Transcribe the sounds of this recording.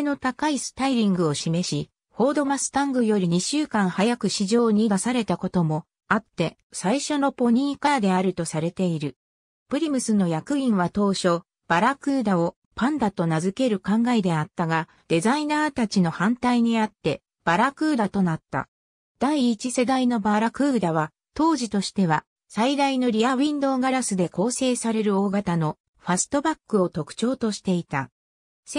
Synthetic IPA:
no̞t̪akaisɨ̥t̪aiɾʲĩŋɡɯ̟o̞ɕime̞ɕi | ho̞ːd̪o̞masɨ̥t̪ãŋɡɯ̟jo̞ɾʲiɲ̟iɕɨːkãɰ̃hajakɯ̟ɕiʑo̞ːɲ̟id̪asaɾe̞t̪ako̞t̪o̞mo̞ | at̪ːe̞ | saiɕo̞no̞po̞ɲ̟ĩːkad̪e̞aɾɯ̟t̪o̞saɾe̞t̪e̞iɾɯ̟ | pɯ̟ɾʲimɯ̟sɨno̞jakɯ̟ĩɰ̃βat̪o̞ːɕo̞ | b̥aɾakɯ̟ːd̪ao̞ | pãnd̪at̪o̞nazɨke̞ɾɯ̟kãŋɡaed̪e̞at̪ːaɡa | d̪̥e̞zainaːt̪at͡ɕino̞hãnt̪aiɲ̟iat̪ːe̞ | b̥aɾakɯ̟ːd̪at̪o̞nat̪ːa̰ | d̪̥aiːt͡ɕise̞d̪aino̞baɾakɯ̟ːd̪aβa | t̪o̞ːʑit̪o̞ɕi̥t̪e̞β̞a | said̪aino̞ɾʲiaβʲĩnd̪o̞ːɡaɾasɨd̪e̞ko̞ːse̞ːsaɾe̞ɾɯ̟o̞ːɡat̪ano̞ | ɸasɨ̥t̪o̞bakːɯ̟o̞t̪o̞kɯ̟̥t͡ɕo̞ːt̪o̞ɕi̥t̪e̞it̪a | s

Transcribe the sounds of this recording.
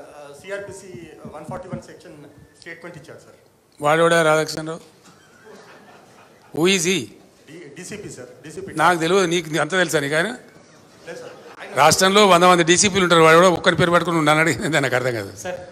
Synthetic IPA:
siaːɾpiːsiʋɐnpʰɔːɾʈiʋɐnsekʃɐnsʈeːʈmeɳʈit͡ʃːaːɾusɐɾ | ʋaːɭːeʋuɽaːɾaːdaːkʂɐnloː | uːiːs̬i | ɖisipisɐɾɖisinaːkut̪eliɡuuniːk̬uɐnt̪̬ɐːt̪elis̬aːɾniːkaːjnɐ | ɾaːʂʈɾɐmlo̞ːʋnd̪ɐmɐnd̪iɖisip̬linuɳʈːaːɾuʋaːɭeʋuɽaɔkːɐnipeːɾupɐʈkununanːɐɽiɡinend̪ɐjnakɐɾɐt̪ɐŋɡa̰ːd̪ṵɐɾ

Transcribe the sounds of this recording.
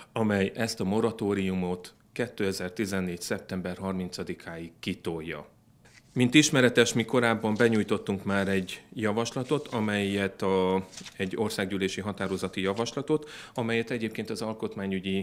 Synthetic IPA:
ɒmɛjɛst̪ɒmo̞ɾɒt̪oːɾiumo̞t̪ | kɛt̪ːøːɛzɛrt̪izɛnːeːcsɛp̚t̪ɛmbɛrɦɒrmint̪sɒd̪ikʰaːjikːit̪ojːɒ̰ | mint̪iʃmɛɾɛt̪ɛʃmiko̞ɾaːbːɒmbɛɲuːjt̪o̞t̪ːuŋkmaːɾɛɟjɒvɒʃlɒt̪o̞t̪ʰɒmɛjɛt̪ɒɛɟːo̞rsaːɡɟyːleːʃiɦɒt̪aːɾo̞zɒt̪ijɒvɒʃlɒt̪o̞t̪ɒmɛjɛt̪ɛɟeːp̚keːnt̪ɒzɒlko̞t̪maːɲyɟi

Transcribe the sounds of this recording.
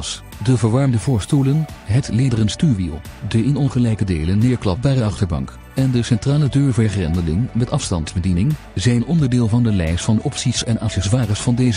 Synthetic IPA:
s | dəvəɹʋɑɹmdəvʊːɹstulənɦətleːdərənstyɹʋḭlˠdəʔɪnɔnχəlɛjkədeːlənːɪːɹklɑpbaːdəɑχtəɹbɑ̰ŋk | ɛndəsɛntraːlədøːɹvɛɹχrɛndəlɪ̰ŋmɛtɑfstɑ̰ntzbədinɪŋ | zɛjnɔndəɹdɪːlˠvɑndəlɛjstfɑndəʔɔpsisɛna̰fɛzʋaːrəsfɑndejzə

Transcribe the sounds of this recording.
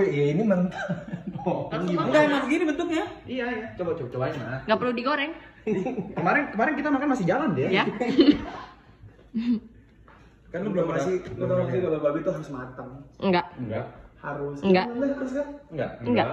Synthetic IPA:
ijainimənt̪aokaniŋɡamasɡinibənt̪ʊk̚ɲaijajat͡ʃobat͡ʃobat͡ʃobasmaŋɡaʔpərludiɡoɾɛŋ | kəmaɾɪnkəmaɾɪnkit̪amakanmasɪhd͡ʒalandɛja | karlubamasɪut̪aakiɡabababit̪uɦaɾʊsmat̪əŋŋɡaʔŋɡa̰ʔhaɾʊsŋɡalahaɾʊskanŋɡa̰ʔŋŋɡa

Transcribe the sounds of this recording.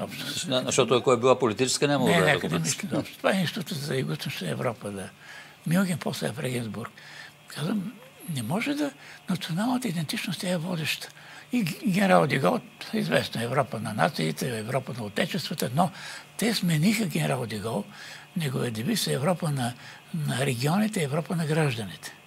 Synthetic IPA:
ɔpʃt̪o̥nɐʃt̪ɔt̪oɐkoɛbilˠapolit̪it͡ʃɛ̥skənʲɛmoɡ̪ɛnɛkəd̪mislʲizɔpʃt̪o̥t̪ovaɛninsʲit̪ut̪əzɐɐiɡust̪ɛnʃt̪ən̰ɛ̰vɾɔpəd̪ɐ | milˠɡʲɛnpʰɔslɛ̰ɛfɾɛɡʲɛnzbuɾk | kʰazvəm | nɛmɔʒɛd̪ɐnɐt̪sionalˠnət̪əid̪ɛnt̪it͡ʃnost̪ʲjaɛvɔd̪ɛʃt̪ə̥ | iɡʲɛnɛɾalˠd̪iɡɔlˠizvɛsnoɛɛvɾɔpənɐna̰t̪siːt̪ɛɛvɾɔpənɐot̪ɛt͡ʃɛst̪vət̪ənɔt̪ɛsmɛnixəɡʲɛnɛɾalˠd̪iɡɔlˠnɛɡovid̪ɛbisɐɛvɾɔpənɐ | nɐɾɛɡʲiɔnit̪ɛiɛvɾɔpənɐɡɾaʒd̪ənit̪ɛ̥

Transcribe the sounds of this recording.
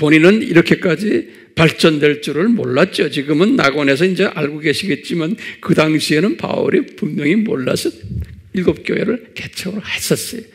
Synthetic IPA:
poninɯnḭɾʌkʰe̞k͈ad͡ʑi | paɭt͡ɕ͈ʌndwe̞ɭt͡ɕ͈uɾɯɭmo̰ɭːat̚t͡ɕ͈ot͡ɕiɡɯmɯnːaɡwʌne̞s̬ʰʌind͡ʑe̞ʔaɭɡoɡe̞ɕʰiɡe̞t̚t͡ɕ͈imankɯdaŋɕʰie̞nɯnpa̰ṵɾipuŋmjʌŋimo̰ɭːa̰sʰʌiɭɡop̚k͈jo̰ɦeɾɯɭke̞t͡ɕʰʌɡɯɾohaɕʰʌs͈ʌjo

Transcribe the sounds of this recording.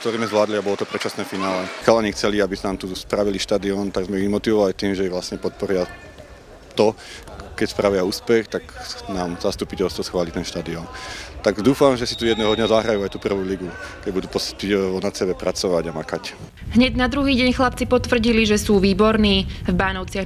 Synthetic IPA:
k̚t̪ɔɾiːmɛzʋlaːd̪liabɔlɔt̪ɔpɾɛt͡ʃasnɛːfinaːlɛxalaɲixt͡sɛliabisnaːmt̪uspɾaʋiliʃt̪ad̪iɔnt̪aɡzmɛimɔt̪iʋɔʋalit̪iːmʒɛjɛʋlasɲɛpɔt̪̚pɔɾɪa | t̪ɔkɛcspɾaʋɪauːspɛxt̪aknaːmzast̪upicɛlˠst̪ʋɔsxʋaːlit̪ɛnʃt̪ad̪iɔnt̪aɡd̪uːfamʒɛsi̥t̪ujɛd̪nɛɦɔd̪ɲazaɦɾajuajt̪uːpr̩ʋuːliɡukɛɟbud̪uːpɔspiɛɔnasɛbɛpɾat͡sɔʋaɟamakac | ɦɲɛɟnad̪ɾuɦiːɟɛɲxlap̚t͡sipɔt̪ʋr̩ɟiliʒɛsuːʋiːbɔɾniːvbaːnɔʊt͡sɪa

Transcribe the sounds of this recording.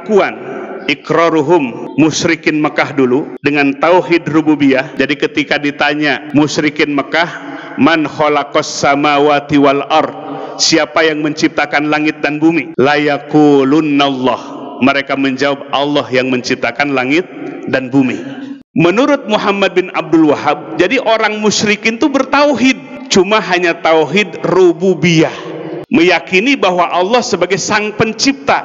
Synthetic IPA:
kuanʔɪkɾɔɾuɦʊmːʊʃɾikɪnməkahduludəŋant̪auɦɪdrububiahd͡ʒadikət̪ikadit̪aɲamʊʃɾikɪnməkah | manxɔlakɔsːamawat̪iwalʔɑrd̪̚siapajaŋməɲt͡ʃip̚t̪akanlaŋɪt̪̚danbumilajakulunːalːɑhməɾekaməɲd͡ʒawab̚ɑlːɔhjaŋməɲt͡ʃip̚t̪akanlaŋɪt̪̚danbumḭ | mənuɾʊt̪̚muɦamːad̚bɪna̰b̚dʊlwaɦab̚d͡ʒadiʔoɾaŋmuʃɾikɪnt̪ubərt̪awɦɪd̚ | t͡ʃumaɦaɲat̪awɦɪdrububiahməjakinibaɦwaʔɑlːɑhsəbaɡajsaŋpəɲt͡ʃip̚t̪a

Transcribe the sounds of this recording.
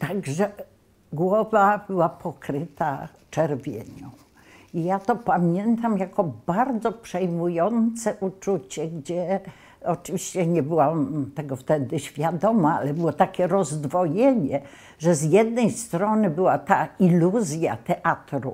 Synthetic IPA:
t̪aɡʐɛ | ɡwɔvab̥ɘwapʰɔkɾɘt̪aft͡ʂɛɾvʲjḛɲu | ijat̪ɔpamʲjɛnt̪amjakɔbaɾd̪zɔpʂɛjmujɔnt̪sɛʔut͡ʂut͡ɕɛɡd͡ʑɛ | ɔt͡ʂɨvʲiɕt͡ɕɛɲɛbɘwamt̪ɛɡɔft̪ɛd̪ɘɕfʲjad̪ɔmaalɛbɘwɔt̪akʲɛɾɔzd̪vɔjɛɲɛ | ʐɛzjɛd̪nɛjst̪ɾɔnɘbɘwat̪ailuzʲja̰t̪ɛʔat̪ɾṵ

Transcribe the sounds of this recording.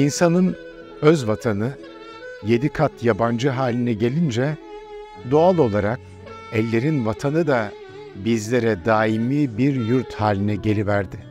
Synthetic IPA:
insanɯn | øzvat̪ʰanɯ | je̞d̪ikʰat̪ʰjaband͡ʒɯɦaːlʲinɛɟe̞lʲind͡ʒɛ | d̪o̞alˠo̞lˠaɾak̚ | ɛlʲːe̞ɾinvat̪ʰanɯd̪a | bizlʲe̞ɾɛd̪aːimiːbiɾjuɾt̪haːlʲinɛɟe̞lʲivæɾd̪ɪ

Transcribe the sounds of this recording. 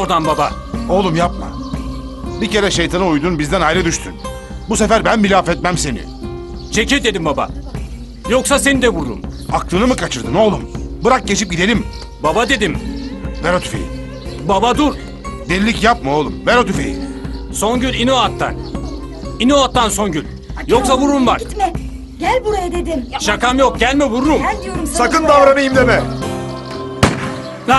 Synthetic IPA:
oɾd̪anbaba̰o̞lˠumjap̚ma̰ | bice̞ɾɛʃejt̪ʰanɯujd̪uːnbizd̪ænajɾɛd̪yʃt̪ʰy̰n | busefæɾbænmilʲaːfɛt̪̚mæmse̞nḭ | t͡ʃʰecid̪e̞d̪imbaba̰ | joksase̞nid̪ɛbuɾd̪ṵmaklˠɯnɯmɯkʰat͡ʃʰɯɾd̪ɯno̞lˠumbɯɾak̚ɟet͡ʃip̚ɟid̪e̞lʲim | babad̪e̞d̪imveɾot̪ʰy̥fḛjḭ | babad̪uɾ | d̪ɛllʲːicjap̚mɯolˠumveɾot̪yfḛjḭso̞nɟynʲinoat̪ʰːa̰n | inoat̪ːanso̞nɟynʲ | joksaβuɾumba̰kt̪mɛ | ɟælʲbuɾd̪ed̪ɪmʃakamjo̞k̚ɟælʲmɛbuɾɾumsakɯnd̪avɾanɯjimd̪emɛ

